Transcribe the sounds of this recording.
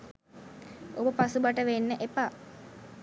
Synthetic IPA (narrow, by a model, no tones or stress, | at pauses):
obəpasubaʈəʋenːəʔepa